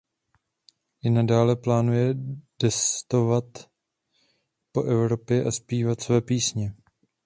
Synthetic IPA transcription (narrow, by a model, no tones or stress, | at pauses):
ʔɪnadaːlɛplaːnujɛd̥ɛst̪o̞vat̪ | po̞ʔɛvɾo̞pjɛʔaspiːvat̪svɛːpiːsɲɛ